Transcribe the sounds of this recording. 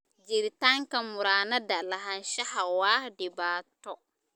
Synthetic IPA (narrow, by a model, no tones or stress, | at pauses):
d͡ʒiɾitaŋkɐmuɾaːnɐdalaɦanʃahawaːdibaːtɔ